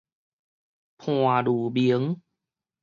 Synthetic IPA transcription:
pʰu˧˩a˩duː˨˩bi˧˦ə˦ŋ

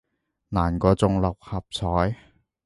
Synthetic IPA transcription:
naː˨˩nkɔː˧t͡sʊ˧ŋlɐ˨˩k̚hɐ˨p̚t͡sʰɔː˨˥j

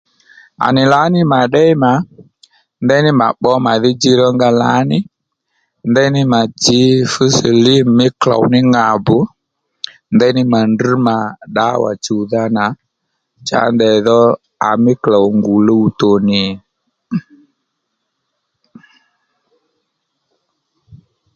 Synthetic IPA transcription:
a̰˨nɪ˨la˨˦nɪ˦ma˨ɗɛ˦ma˨˦ | ndɛ˦nɪ˦ma̰˨ɓɔ˦ma˨ðɪ˦d͡ʒi˦ɾɔ˦ŋɡa˧la˨˦nɪ˦ | ndɛ˦nɪ˦ma˨d͡ʒɪ˨˦fə˦sə˨li˦mɪ˦kla̰˨wnɪ˦ŋa˨bʊ˨˦ | nd̪ɛ˦nɪ˦ma˨nd̩˦ma˨ɗa˨˦wa̰˨t͡ʃu˨ða˦na˨˦ | t͡ʃa̰˨˦ndɛ˨ðɔ˦ | a̰˨mɪ˦kla˨wŋɡu˨lo˦u˨to˨nɪ˨

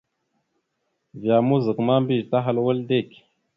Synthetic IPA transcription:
vja˨mu˦zə˨kma˦mbi˦˨t̪a˦ɦa˦˨lwə˦lde˦˨k

